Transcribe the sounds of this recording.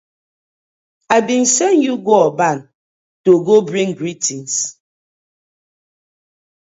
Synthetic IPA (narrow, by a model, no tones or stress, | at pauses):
abin̩sɛnjuɡoɔban | toɡobɹĩŋɡɹitins